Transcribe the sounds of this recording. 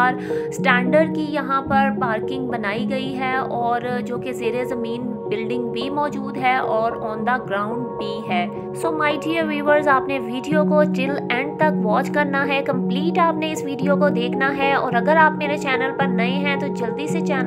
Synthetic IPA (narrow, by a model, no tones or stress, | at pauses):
ɾsʈɛ̃ːɳɖəɾɖ̚kijɐɦãpɐɾpaːɾkɪ̃ŋɡ̚bɐnaːiɡɐiɦɛɔːɾd͡ʒoːkezeːɾezɐmiːn | bɪlɖɪ̃ŋɡ̚bʱimɔːd͡ʒuːd̪ɦɛʔɔːɾɔ̃ːnd̪aɡɾaːʊ̃ɳɖbʱiɦɛː | soːmaːɪɖiəʋiːʋəɾzaːpneʋiːɖijokoʈɾɪlɛ̃ːɳɖ̚t̪ɐkʋɔːt͡ʃkɐɾnaɦɛkɐ̃mpliːʈaːpneɪsʋiːɖijokod̪eːkʰnaɦɛɔːɾɐɡəɾaːpmeːɾet͡ʃɛːnəlpɐɾnɐẽɦɛ̃t̪od͡ʒɐld̪iset͡ʃɛːn